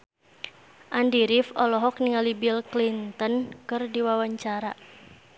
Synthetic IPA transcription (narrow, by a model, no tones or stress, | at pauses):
ʔandiɾifɔlɔɦɔk̚niŋalibilklint̪ənkɨrdiwawaɲt͡ʃaɾa